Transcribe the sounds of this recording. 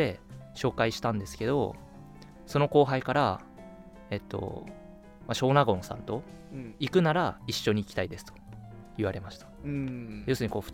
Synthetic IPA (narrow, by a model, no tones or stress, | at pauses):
e̞ɕo̞ːkaiɕi̥t̪ãnd̪e̞sɨ̥ke̞d̪o̞̰ | so̞no̞ko̞ːɦaikaɾa | e̞t̪ːo̞̰ | maɕo̞ːnaɡõ̞ñsã̰nt̪o̞ | ikɯ̟naɾaiɕːo̞ɲ̟iːkʲi̥t̪aid̪e̞sɨ̥t̪o̥ | iβaɾe̞maɕi̥t̪ḁ | jo̞sɨɲiko̞ːɸɯ̟̥